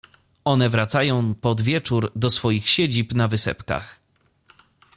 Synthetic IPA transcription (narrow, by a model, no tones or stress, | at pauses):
ɔnɛvɾat̪sajɔ̃w̃pɔd̪vʲjɛt͡ʂuɾd̪ɔsfɔjixɕed͡ʑipnavɘsɛ̰pka̰x